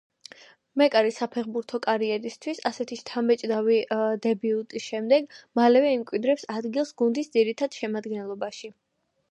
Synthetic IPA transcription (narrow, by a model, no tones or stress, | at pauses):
mɛkʼaɾisapʰɛχbuɾt̪ʰɔkʼaɾiɛɾist̪ʰwisasɛt̪ʰiʃt̪ʰamɛt͡ʃʼd̪avid̪ɛbiut̪ʼisʃɛmd̪ɛɡmalɛvɛimkʼwid̪ɾɛpsad̪ɡilˠsɡund̪isd̪ziɾit̪ʰad̪̥ʃɛmad̪ɡɛnlˠɔbaʃi